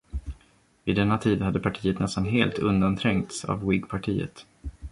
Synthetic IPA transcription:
vɪd̪ɛnːat̪ʰiːd̪had̪ːəpʰaʈʰiːət̪nɛst̪anɦeːlt̪ɵnd̪ant̪ʰɾɛŋkt̪sa̰vwɪɡpʰaʈʰiːə̰t̪

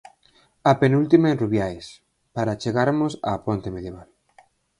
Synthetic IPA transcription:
apenult̪imaenruβjaes | paɾat͡ʃeɣaɾmʊsa̰pont̪emeðjeβal

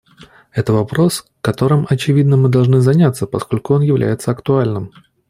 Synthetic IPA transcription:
ɛt̪əvɐpɾo̞s | kɐt̪o̞ɾɨmʔɐt͡ɕɪvʲid̪nəmɨd̪ɐlˠʐnɨzɐnʲat̪sːəpɐskolʲkʊo̞njɪvlʲæ̰jɪt̪səɐkt̪ʊalʲnɨm

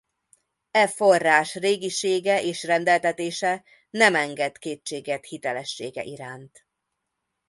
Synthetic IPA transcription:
ɛfo̞rːaːʃreːɡiʃeːɡɛʔeːʃrɛnd̪ɛlt̪ɛt̪eːʃɛ | nɛmɛŋɡɛt̪keːt͡ʃt͡ʃːeːɡɛt̪hit̪ɛlɛʃːeːɡɛ̰ʔiɾaːnt̪

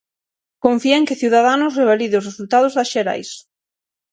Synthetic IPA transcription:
koɱfiaeŋkɪθiuwðað̞anʊsreβ̞aliðʊsresult̪aðʊzðasʃeɾa̰js

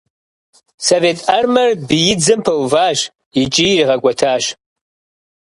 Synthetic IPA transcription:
soveːtʼɐrmɐrbɨjɪd͡zɨmpʰɐwvaːʒ | it͡ʃʼiriʁɐɡʷʼɔtʰaːʃ

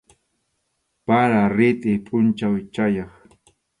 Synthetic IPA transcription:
paɾaɾɪt̪ʼɪpʼʊnt͡ʃawt͡ʃajɑχ

